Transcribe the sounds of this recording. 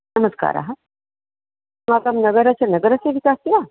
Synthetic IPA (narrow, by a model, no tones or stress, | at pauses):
nəməska̰ɾa̰ɦa | makamnəɡəɾat͡ɕanəɡəɾaseʋikast̪ila